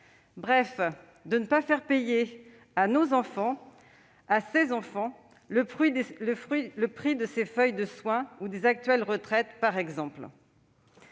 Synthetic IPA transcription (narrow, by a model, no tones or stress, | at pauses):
bʁɛf | d̪ənəpafɛʁpeje | anozɑ̃fɑ̃ | asezɑ̃fɑ̃ | ləpχɥiləχɥiləpχid̪əsefœjd̪əswɛ̃ud̪ezak̚t̪ɥɛlʁət̪χɛt̪paʁɛɡzɑ̃pl